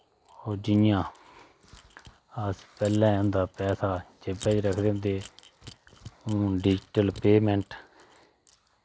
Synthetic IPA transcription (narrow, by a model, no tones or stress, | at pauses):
oːd͡ʒijãː | əspɛːlɛ̃ːʊ̃nd̪aːpɛːsaːd͡ʒepɛ̃ːd͡ʒɾəkʰd̪eːɦʊ̃nd̪eː | ũːɖɪd͡ʒʈəlpeːmɛ̃ɳʈ